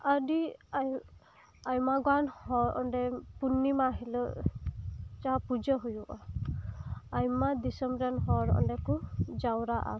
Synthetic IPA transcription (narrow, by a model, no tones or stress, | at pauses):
adia | ajmaɡwanhɔɾɔ̰ɳɖɛpunːimaɦilɔ | t͡ʃapud͡ʒɔɦujuʔa | ajmad̪isɔmbɾanɦɔɾɔ̰nɖɛkud͡ʒawɾaʔa̰